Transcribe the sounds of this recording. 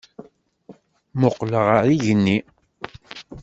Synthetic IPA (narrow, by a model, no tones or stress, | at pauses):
mʊqːləʁaɾiʝənːi